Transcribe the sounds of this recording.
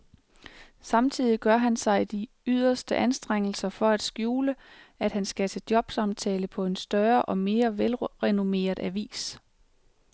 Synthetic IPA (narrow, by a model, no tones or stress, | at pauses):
sɑ̈mt͡sʰið̞̰ˠiɡ̥ɶɐɦænsɑ̈ɪd̥i | yð̞̰ˠɐsd̥əʔænsd̥ʁeŋ̰l̩sɐfɒ̽æd̥sɡ̥juːləæd̥hænsɡ̥æt͡sʰe̝d̥jɒ̽b̥sɑ̈mt͡sʰɛ̰ːləpʰɒ̽e̝nsd̥ɶɐʔɒ̽me̝ːɐʋelʁɛno̝me̝̰ːɐðˠæʋḭːs